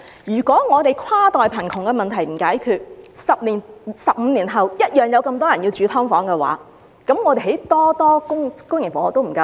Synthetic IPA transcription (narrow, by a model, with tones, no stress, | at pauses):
jyː˨˩kʷɔː˨˥ŋɔː˨˧t̪e˨jkʰwaː˥t̪ɔː˨jpʰɐ˨˩nk̪ʰʊ˨˩ŋkɛ˧mɐ˨nt̪ʰɐ˨˩jm̩˨˩kaː˨˥jkʰyː˧t̚sɐ˨p̚liː˨˩nsɐ˨p̚m̩ː˨˧liː˨˩nɦɐ˨wjɐ˥t̚jœː˨˩ŋjɐ˨˧wkɐ˧mt̪ɔː˥jɐ˨˩njiː˧wt͡ʃyː˨˧t̪ʰɔː˥ŋfɔː˨˥ŋkɛ˧wa̰ː˨˥ | kɐ˨˥mŋɔː˨˧t̪e˨ɦe˨˥jt̪ɔː˥t̪ɔː˥kʊ˥ŋkʊ˥ŋjɪ˨˩ŋfɔ˨˥ŋɔː˨˧t̪o˥wm̩˨˩kɐ˧